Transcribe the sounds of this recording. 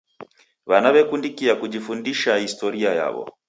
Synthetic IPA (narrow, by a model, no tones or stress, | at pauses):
βanaβɛkundikiakuʄifundiʃahistɔɾiaja̰βɔ̰